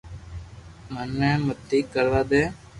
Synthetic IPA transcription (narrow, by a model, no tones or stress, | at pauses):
mənːɛ̃ːmət̪ːiːkəɾʋaːd̪eː